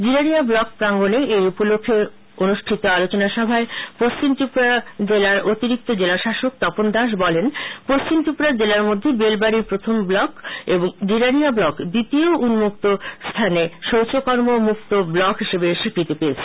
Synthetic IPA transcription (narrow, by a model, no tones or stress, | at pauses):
d͡ʑiɾaniablɔk̚pɾaŋɡoneejupolokʰːe | onuʃʈʰit̪oalot͡ɕonaʃɔbʱaepost͡ɕimt̪ipɾad͡ʑelaɾot̪iɾik̚t̪od͡ʑelaʃaʃok̚t̪ɔpond̪aʃ̬bɔlenpost͡ɕimt̪ipɾaɾd͡ʑelaɾmod̪ʱːebelbaɾipɾot̪ʰomblɔkeboŋd͡ʑiɾaniablɔkd̪it̪ioʔunmuk̚t̪ost̪ʰaneʃowt͡ɕokɔɾmomuk̚t̪oblɔkɦiʃebeʃikʰɾit̪ipes